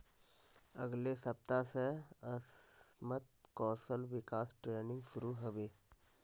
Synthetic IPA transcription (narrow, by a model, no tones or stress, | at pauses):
əɡlesəp̚t̪aseəsmət̪̚kɔːsəlʋɪkaːsʈɾeːnɪ̃ŋɡʃʊɾuɦəʋeː